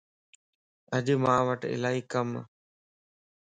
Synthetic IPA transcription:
əʄmãːʋəʈɪ̰laːɦiːkəm

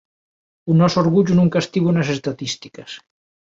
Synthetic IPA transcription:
unɔsoɾɣuʎunuŋkast̪iβunasest̪at̪ist̪i̥kəs

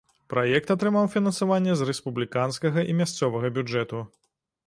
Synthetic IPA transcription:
pɾajɛk̚t̪at̪ɾɨmawfʲinɐnsavanʲːɛzrɛspublʲikanskɐɣɐʔimʲast̪sɔvɐɣɐbʲud͡ʐɛt̪u

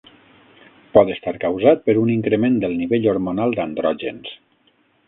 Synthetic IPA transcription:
pɔt̪əst̪aɾkəwzat̪̚pəɾuniŋkɾəmend̪əlˠniβeʎoɾmonalˠd̪and̪ɾɔʒens

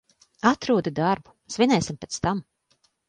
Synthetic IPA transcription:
at̪ɾuɔd̪ud̪aɾbu̥svʲinʲɛjsʲimpɛːt̪st̪am

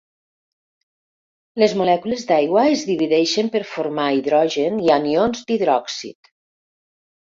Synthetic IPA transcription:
lezmulɛkuləzd̪ajɣwaezðiβiðɛʃəmpəɾfoɾmaiðɾɔʒenianionzd̪iðɾɔksḭt̪

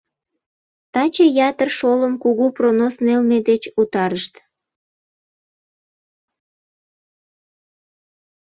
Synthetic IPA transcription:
t̪ɑt͡ɕejɑt̪ərʃoləmkuɣupronosnelmed̪et͡ɕut̪ɑɾəʃt̪

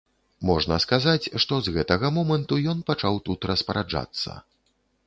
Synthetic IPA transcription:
mɔʐnɐskazat͡sʲʂt̪ɔzɣɛt̪ɐɣɐmɔmɐnt̪ujɔnpat͡ʂawt̪ut̪ɾɐspɐɾad͡ʐa̰t̪sːɐ̰

